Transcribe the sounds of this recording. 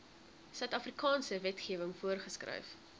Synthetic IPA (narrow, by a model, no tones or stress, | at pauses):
sœɥtɐfrikɑːnsəvɛtχiəvəŋfuərχəskrœ̰jf